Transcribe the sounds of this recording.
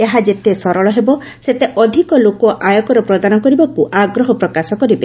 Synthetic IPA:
eɦad͡ʒet̪esɔɾɔɭɔɦebɔ | set̪eʔɔd̪ʱikɔlokɔʔajɔkɔɾɔpɾɔd̪anɔkɔɾibakuʔaɡɾɔɦɔpɾɔkasɔkɔɾibe

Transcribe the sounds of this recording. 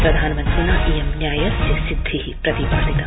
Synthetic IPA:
pɾɐd̪ʱaːnɐmɐnt̪ɾɐnaʔijemnjaːjɐd͡ʒɐsid̪ʱːiɦipɾɐt̪ibaːlit̪ɐ

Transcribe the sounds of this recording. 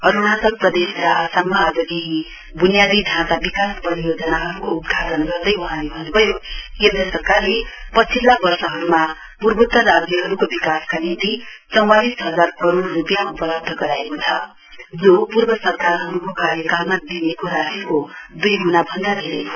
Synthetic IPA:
ʌɾunasʌk̚prʌd̪esɾʌʔasammaːd͡zʌkeɦĩ | bunijad̪id̪ʱãt̪abikaspʌɾijod͡zʌnaɦʌɾukoud̪̚ɡ̪ʱaʈʌnɡʌrd̪ʌjʌɦãneɦʌnbʱʌjokend̪ʌsʌrkarlepʌt͡sʰilːabʌrsʌɦʌɾuma | purbut̪ːʌɾad͡zjʌɦʌɾukobikaskanint̪it͡sʌ̃w̃alisɦʌd͡zarkʌɾorːupjaupʌlʌb̚d̪ʱʌɡʌɾaekot͡sʰʌ | d͡zopurbʌsʌrkaɾɦʌɾukokaɾjʌkammad̪inekoɾad͡zʌkod̪ujɡunabʱʌnd̪ad̪ʱeɾḛ

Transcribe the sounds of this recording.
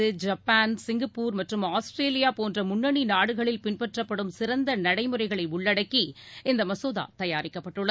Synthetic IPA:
ɯd͡ʒɐpːaːnsɪŋɡɐpːuːɾmɐʈrɯmaːsʈɾeːlɪjaːpoːndrɐmʊɳːɐɳinaːɽɯɣɐɭɪlpɪnpɛʈrɐpːɐɽɯmsɪɾɐnd̪ɐnɐɽɐɪmɯrɐɪɣɐɭɐɪʊɭːɐɽɐkːiɪnd̪ɐmɐsoːða̰ːt̪ɐjaːɾɪkːɐpːɐʈːɯɭːɐ

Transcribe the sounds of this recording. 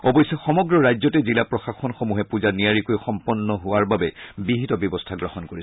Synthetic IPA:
ɔbɔjsɛxɔmɔɡɹɔɹajzɔtɛzilapɹɔxaxɔnxomuɦɛpuzanijaɹikojxɔmpɔnːɔɦʊwaɹbabɛbiɦitɔbjɔbɔstʰaɡɹɔhɔnkoɹisɛ

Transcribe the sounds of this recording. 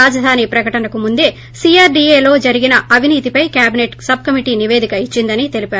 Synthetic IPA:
aːd͡ʒɐd̪ʱaːnipɾɐkɐʈɐnɐkumund̪e̞ː | siːaːɾɖieːlo̞ːd͡ʒɐɾiɡinɐɐʋʱiniːt̪ipɐjkjaːbineʈsɐb̚ʱkɐmiʈiːniʋe̞ːd̪ikɐit͡ʃːind̪ɐnit̪e̞lipaːɾu

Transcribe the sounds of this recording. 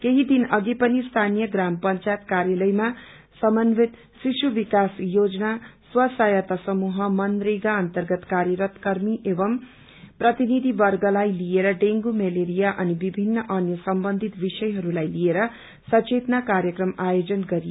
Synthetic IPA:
keɦid̪inʌɡipʌnist̪ʰanijʌɡrampʌnt͡sajt̪kaɾjʌlʌjma | sʌmʌnʋet̪ | sisubikasjod͡znaswʌsajʌt̪ʌsʌmuɦʌmʌnd̪riɡaʌnt̪ʌrɡʌt̪kaɾjʌɾʌt̪kʌɾmiʔebʌm | prʌt̪inid̪ʱibʌrɡʌlajlijeɾʌɖeŋɡumeleɾijaʔʌnibibʱinːʌʔʌnjʌsʌmbʌnd̪ʱit̪bisʌjɦʌɾulajlieɾʌ | sʌt͡ʃet̪nakaɾjʌkrʌmajod͡zʌnɡʌɾijo

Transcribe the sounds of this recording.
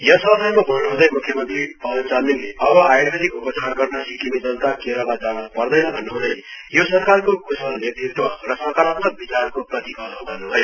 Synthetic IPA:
jʌsʌsʌjmʌbʱʌnnuɦũd̪ʌjmukʰjʌmʌnt̪ripʌbʌnt͡saninleʌbʌajubʌd̪ikupʌsʰaɡʌrnʌsikimid͡zʌnt̪akeɾʌlad͡zanupʌrd̪ʌjnʌbʱʌnːuɦũd̪ʌjjosʌrkarkokʰusʌlnet̪ʰrit̪wʌrʌsʌrkaɾʌpt̪ʌd̪̚bit͡sarkoprʌt̪ikʌd̪bʱʌnnuɦʌj

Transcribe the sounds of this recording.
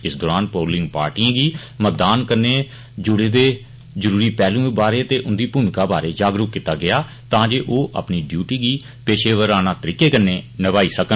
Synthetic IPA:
ɪsd̪ɔːɾaːnpoːlɪ̃ŋɡpa̰ːɾʈiãːɡiː | mət̪̚d̪aːnkəɾneː | d͡ʒʊɽeːd̪eː | d͡ʒəɾuːɾiːpɛːlũːbaːɾeːt̪eːʔʊnd̪iːpuːmɪkaːbaːɾeːd͡ʒaːɡɾʊkkːɪt̪aːɡɪaː | t̪ãːd͡ʒeːʔoːʔə̰pniːɖjuːʈiːɡiː | peːʃeːʋəɾaːnãːt̪əɾiːkeːkəneːnəʋaːiːsəkən

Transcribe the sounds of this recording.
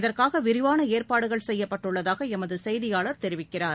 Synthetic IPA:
ɪðɐrkaːɣɐʋɪɾɪʋaːnɐeːrpaːɽɯɣɐɭsɛjːɐpːɐʈːɯɭːɐðaːɣɐɛmɐðɯsɛjðɪjaːɭɐɾt̪ɛɾɪʋɪkːɪraːɾ

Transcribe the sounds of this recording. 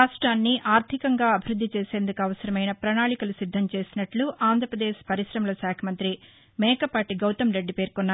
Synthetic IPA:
aːʂʈɾaːnːiʔaːɾt̪ʰikɐŋɡaːɐbʱiɾud̪ʱːit͡ʃeːse̞ːnd̪ukuɐʋɐsɐɾɐmɐjnɐpɾɐnaːɭikɐlusid̪ʱːɐmt͡ʃe̞ːsinɐʈluʔaːnd̪ʱɾɐpɾɐd̪eːʃpɐɾiʃɾɐmɐlɐʃaːkʰɐmɐnt̪ɾi | mɛːkɐpaːʈiɡɐwt̪ɐmɾeɖːipe̞ːɾkɔnːa

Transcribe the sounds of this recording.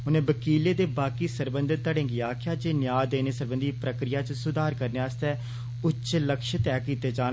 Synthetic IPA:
ʊnẽːbəkiːleːd̪eːbaːkiːsəɾbənd̪ət̪ːəɽẽːɡɪjaːkɪaːd͡ʒeːnɪjaːd̪eːneːsəɾbənd̪iːpɾəkɾɪjaːt͡ʃsʊd̪aːɾkəɾneːaːst̪ɛː | ʊt͡ʃʃləkʃət̪ɛːkiːt̪eːd͡ʒaː

